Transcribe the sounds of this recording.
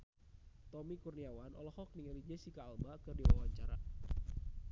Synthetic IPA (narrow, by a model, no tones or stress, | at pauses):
t̪ɔmikurniawanʔɔ̰lɔhɔk̚niŋalid͡ʒɛsikaːlbakɨrdiwa̰waɲt͡ʃaɾa